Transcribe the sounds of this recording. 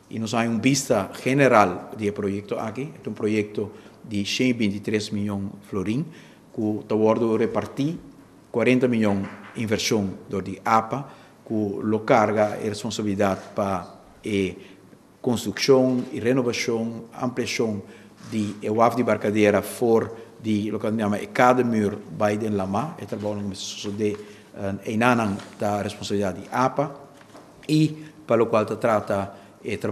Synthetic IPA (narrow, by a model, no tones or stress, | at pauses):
ḭnosajũmbist̪ɐxeneɾald̪iepɾojɛk̚t̪oakiɛt̪ũpɾojɛk̚t̪od̪isẽibĩnt̪it̪ɾesmiʎõŋfloɾĩŋ | kut̪ɐwɔɾd̪urepaɾt̪i | kwaɾẽnt̪ɐmilõŋĩɱveɾsjõŋd̪oɾd̪iʔapɐ | kulokaɾɡɐḛrespõnsabilid̪at̪̚pa | e | kõnst̪ɾuksjõŋiɾenovaʃjõŋã̰mpliasõŋ | d̪iewafd̪ibaɾkad̪eɾɐfoɾd̪ilokaamɐʔḛkad̪ɐmyɾbajd̪ẽnlamaet̪ɾɐbawnokomessosod̪e | ejnanaŋt̪aɾespõnsabilid̪at̪d̪iʔapɐ | ipalokwalt̪at̪ɾat̪ɐ | et̪ɾ